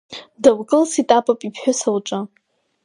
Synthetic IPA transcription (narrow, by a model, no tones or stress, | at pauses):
dawkʼɨlsitʼapʼapʼipʰħʷᶣʊsawʈ͡ʂʼa